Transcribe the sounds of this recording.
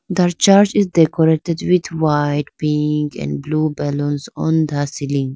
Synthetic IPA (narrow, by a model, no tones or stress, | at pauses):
d̪əɾt͡ʃaɾd͡ʒizdekɔɾeʈedwid̪ʰwaɪʈpĩŋkɛ̰̃nɖbluːbɛlə̃nsɔ̃nd̪əsilĩŋ